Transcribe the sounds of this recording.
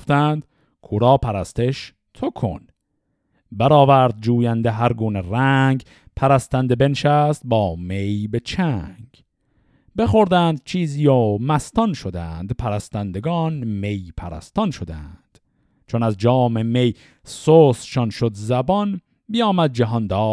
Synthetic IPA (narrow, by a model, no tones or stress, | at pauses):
oft̪ænd̪ | kʰuːɾɒːpʰæɾæst̪eʃ | t̪ʰokʰo̰n | bæɾɒːvæɾd̪̚d͡ʒuːjænd̪eɦæɾɡuːneræŋɡ | pʰæɾæst̪ænd̪ebenʃæst̪̚bɒːmejbe̞t͡ʃʰæŋɡ | be̞xoɾd̪æːnd̪̚t͡ʃʰiːziːjoːmæst̪ɒnʃod̪ænd̪pʰæɾæst̪ænd̪eɡɒːnme̞jpʰæɾæ̰st̪ɒnʃod̪ænd̪̥ | t͡ʃʰonæzd͡ʒɒːmeme̞j | soːsʃɒnʃod̪zæbɒn | bijɒːmæd̪̚d͡ʒæɦɒnd̪ɒː